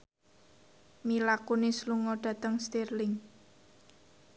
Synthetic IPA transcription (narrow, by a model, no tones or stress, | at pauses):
milakunisluŋɔɖ̥ä̤t̪əŋst̪irlɪŋ